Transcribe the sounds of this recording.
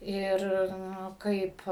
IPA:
ˈɪr ˈnʊ ˈkɐɪp

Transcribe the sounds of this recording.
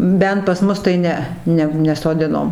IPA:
ˈbʲɛnt pɐs ˈmʊs tɐɪ ˈnʲɛ ˈnʲɛ nʲɛsoːˈdʲɪnoːm

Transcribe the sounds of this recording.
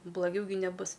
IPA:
blˠɐˈɡʲɛʊ ɡʲɪ nʲɛˈbʊs

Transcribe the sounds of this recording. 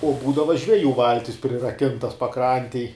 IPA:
oː ˈbuːdɐʋɐ ʒʲʋʲɛˈjuː ˈʋɐlʲtʲɪs pʲrʲɪrɐˈkʲɪntɐs pɐˈkrɐnʲtʲeːj

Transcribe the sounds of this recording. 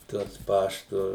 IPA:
ˈtuɔs ˈpɑːʃtʊ

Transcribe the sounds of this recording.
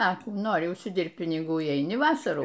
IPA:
ɐ ˈkuː ˈnoːrʲɪ ʊʃʲsʲɪˈdʲɪrpt pʲɪnʲɪˈɡuː ɪ ɛɪˈnʲɪ ˈʋɑːsɐruː

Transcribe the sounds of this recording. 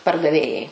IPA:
pɐrdɐˈʋʲeːjɛɪ

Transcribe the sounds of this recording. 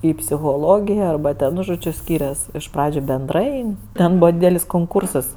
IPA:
ɪ pʲsʲɪxoːˈlˠoːɡʲɪjɛ ɐrˈbɐ tʲɛn ˈnʊ ˈʒoːd͡ʒʲʊ ˈsʲkʲiːrʲɛs ɪʃ ˈprɑːd͡ʒʲʊ bʲɛnˈdrɐɪ ˈtʲɛn ˈbuːʋɐ ˈdʲiːdʲɛlʲɪs koːŋˈkuːrsɐs

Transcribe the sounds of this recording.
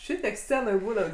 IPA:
ˈʃʲɪtʲiɛk ˈsʲt͡sʲæːnoːj ˈbuːnɐt

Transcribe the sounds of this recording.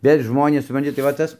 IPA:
ˈʋʲeːlʲ ˈʒmoːnʲeːs sʊprɐnʲˈtʲɪ tɐɪ ʋɐ ˈtɐs

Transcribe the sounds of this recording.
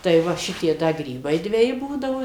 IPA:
tɐɪ ˈʋɐ ˈʃʲɪtʲiɛ ˈdɐ ˈɡrʲiːbɐɪ dʲʋʲɛˈjɪ ˈbuːdɐʋoː

